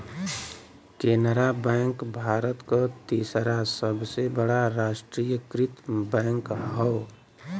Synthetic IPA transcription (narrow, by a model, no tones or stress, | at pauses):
keːnɾabɛ̃ːŋkbʱaːɾət̪kot̪iːsɾasəbsebəɽaɾaːʃʈɾiːjəkɾɪt̪bɛ̃ːŋkɦɔː